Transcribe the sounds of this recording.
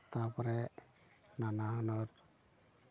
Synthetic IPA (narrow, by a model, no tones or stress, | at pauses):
t̪apɔɾɛ | nanaɦɔnɔɾ